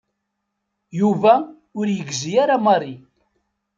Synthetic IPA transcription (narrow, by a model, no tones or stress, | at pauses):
juvæ | ʊɾjəɡzijaɾamɑrˤːi